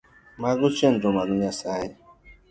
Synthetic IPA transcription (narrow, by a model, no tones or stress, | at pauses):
maɡʊt͡ʃen̩dʊmaɾʊɲasajɪ